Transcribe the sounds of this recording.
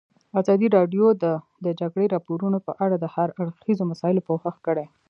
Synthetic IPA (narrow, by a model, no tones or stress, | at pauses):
azɑd̪iɾɑɖjod̪ə | d̪əd͡ʒaɡɽeɾɑpoɾunopəʔaɽad̪əhaɾaɽxizomasɑɪlopowhəxkəɽe